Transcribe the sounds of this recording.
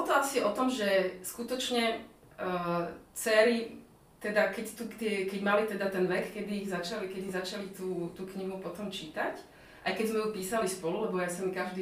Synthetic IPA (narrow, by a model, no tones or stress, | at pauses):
bɔlɔt̪ɔasiɔt̪ɔmʒɛskut̪ɔt͡ʃɲɛ | t͡sɛːɾi | t̪ɛd̪akɛct̪ukt̪ɪɛkɛɟmalit̪ɛd̪at̪ɛnʋɛkkɛd̪iːɣzat͡ʃalikɛd̪izat͡ʃalit̪uːt̪uːkɲiɦupɔt̪ɔmt͡ʃit̪ac | ʔajkɛzmɛjupiːsalispɔlulɛbɔjasɛmkaʒd̪iː